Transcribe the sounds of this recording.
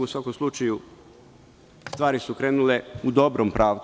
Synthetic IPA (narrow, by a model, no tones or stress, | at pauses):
usʋakomslˠut͡ʃaju | st̪ʋaːɾisukɾe̞ːnuleud̪o̞bɾompɾaːʋt̪